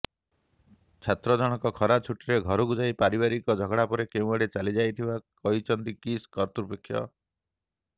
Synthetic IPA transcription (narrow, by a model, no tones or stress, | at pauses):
t͡ʃʰat̪ɾɔd͡ʒɔɽ̃ɔkɔkʰɔɾat͡ʃʰuʈiɾeɡʱɔɾuɡud͡ʒajpaɾibaɾikɔd͡ʒʱɔɡɽapɔɾekeũaɽet͡ʃalid͡ʒajt̪ʰibakɔɦit͡ʃʰɔnt̪ikiskɔɾt̪ɾupekʰːjɔ̰